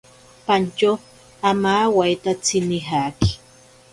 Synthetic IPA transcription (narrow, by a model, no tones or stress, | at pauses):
pant͡ʃa | amawajt̪at͡sɪnɪɦaːkɪ̥